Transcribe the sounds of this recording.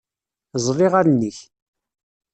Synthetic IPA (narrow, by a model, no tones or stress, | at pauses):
zˤrˤiʁaɾnːəç